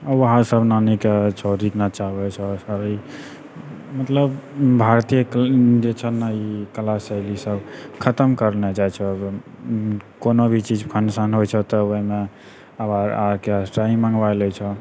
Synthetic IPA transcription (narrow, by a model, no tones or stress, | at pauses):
əɦãsəbnaniket͡ʃʰɛɾiknat͡ʃaɦbɛt͡ʃʰɛsəɾi | mət̪ləbbʱaɾt̪ijəkd͡ʒet͡ʃʰɛnaikəlasəjlisəbkʰət̪əmkəɾned͡ʒaɛt͡ʃʰɛ | konobʱit͡ʃid͡ʒkʰənsanɦojt͡ʃʰɛt̪ɔoɦime | əbaɾaɾkeasʈaimãŋɡʋajlɛt͡ʃʰɛ